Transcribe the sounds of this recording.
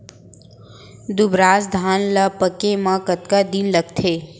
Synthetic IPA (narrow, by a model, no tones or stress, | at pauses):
d̪ubɾaːsd̪ʱaːnlapəkemãkət̪kad̪inləɡt̪ʰeː